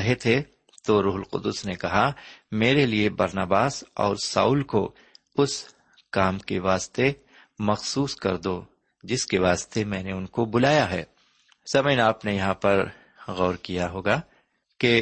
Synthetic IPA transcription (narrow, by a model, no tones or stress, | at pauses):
ɦet̪ʰe | t̪oɾuːɦʊlqʊ̰d̪ʊsnekɐɦameːɾeliebɐɾnaːbaːsɔ̰ːɾsa̰ːʊːlko | ʊs | kaːmkeʋaːst̪e | mɐxsuːskɐɾd̪oː | d͡ʒɪskeʋaːst̪emɛ̃ːneʊnkobʊlaːjaɦɛː | sɐmənaːpnejɐɦãpɐɾ | ɣɔːɾkijaɦoːɡaː | ke